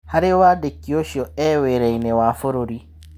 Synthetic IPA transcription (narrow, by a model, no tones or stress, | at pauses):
haɾewadekːioʃiɔɛweɾɛinɛwaːfoɾoɾi